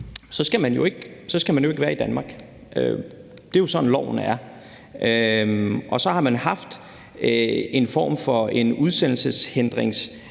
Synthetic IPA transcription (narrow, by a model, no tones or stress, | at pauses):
sɒ̽sɡ̥æmænjo̝e̝ɡ̥sɒ̽sɡ̥æmænjo̝eɡ̥ʋæːɐid̥ænmɑ̈ːɡ̥ | ʔø | d̥e̝jo̝sɒ̽dn̩lɒʊnæɐ | ʔø | ʔɒ̽sɒ̽hɑ̈mænhɑ̈fd̥ | e̝nfɒ̰ːmfɒ̽e̝nuð̞ˠsen̰l̩səshend̥ʁeŋs